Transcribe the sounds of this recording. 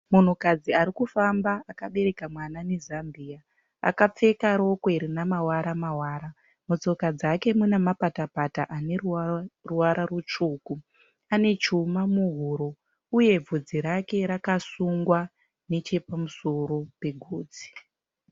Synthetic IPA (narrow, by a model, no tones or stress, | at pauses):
mun̤ukad͡ziaɾikufambaakaɓe̞ɾe̞kamwanane̞zambiːa | a̰kap͡fe̞kaɾo̞koeɾinamawaɾamawaːɾa | mut͡so̞kad͡zake̞munemapatapataʔanerruwaɾarut͡ʂuːku | ane̞t͡ʃumamuɦuːɾo̞ | uje̞b͡vud͡ziɾake̞ɾakasuŋɡwa | ne̞t͡ʃe̞pamuso̞ɾo̞pe̞ɡʱuːd͡zi̥